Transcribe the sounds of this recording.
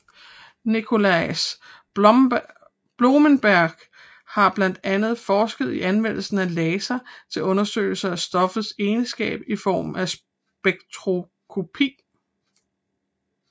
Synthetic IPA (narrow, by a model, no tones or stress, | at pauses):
nikʰo̝læɪs | b̥lo̝mənb̥æɐɡ̥ | hɑ̈b̥læn̰d̥ænð̞̩ˠfɒːsɡ̥ð̞̩ˠiʔænʋen̰l̩sn̩ælɛːsæt͡sʰe̝lɔ̽nɐsø̰ːɪl̩sɐæsd̥ɒ̽fð̩ˠse̝ːnsɡ̥ɛ̰ːb̥ifɒ̰ːmæs | b̥eɡ̥t͡sʰʁo̝ | kʰo̝pʰḭː